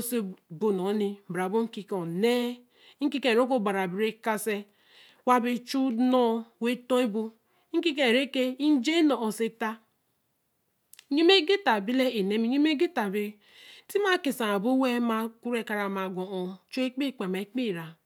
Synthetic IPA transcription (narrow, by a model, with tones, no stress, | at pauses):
o˦se˦bo˨no˨˦ni˦m̩˨bɾa˨bo˦ŋ̩˦ki˦ko˨ne˦ | ŋ̩˦ki˦kẽ˦˨ɾo˦ko˦˨ɡ͡ba˨ɾa˨bi˨ɾe˦ka˦se˦ | wa˦be˦t͡ʃu˦nɔ˦we˦to˦i˦bo˦ | ŋ̩˦ki˦k̬ẽ˨ɾe˦ke˦i˦n˦d͡ʒe˦no˨o˨se˦ta˦ | ɲo˦me˦ɡe˦ta˨bi˦le˦e˨ne˦mi˦ɲi˦me˦ɡe˦ta˨bi˨˦ | ti˦ma˦˨ke˨sa˨a˨bo˦we˦ma˨ku˦ɾe˦˨ka˨ɾa˨ma˨ɡo˨o˨t͡ʃu˦e˦k͡pi˦˨k͡pe˨ma˨i˦k͡pi˦˨ɾa˨